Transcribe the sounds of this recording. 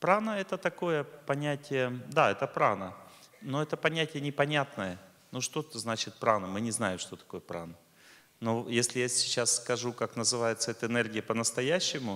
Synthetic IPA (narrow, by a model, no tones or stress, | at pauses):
pɾanəɛt̪ət̪ɐko̞jəpɐnʲætʲɪjəd̪aɛt̪əpɾanəno̞ɛt̪əpɐnʲætʲɪjənʲɪpɐnʲat̪nəjə | nuʂt̪ot̪əznat͡ɕɪt̪̚pɾanəmɨnʲɪznajɪmʂt̪o̞t̪ɐ̥ko̞jəpɾa̰nə | nojesʲlʲɪjasʲɪ̥t͡ɕːasskɐʐukaknəzɨvajɪt̪səɛt̪əɨnerɡʲɪjəpənəst̪ɐjæɕːɪmʊ